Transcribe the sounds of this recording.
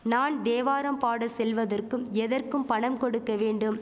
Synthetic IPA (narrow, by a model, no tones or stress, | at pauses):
naːnd̪eːʋaːɾɐmpaːɽɐsɛlʋɐðɐrkɯmɛðɐrkɯmpɐɳɐmkɔɽɯkːɐʋeːɳɖɯm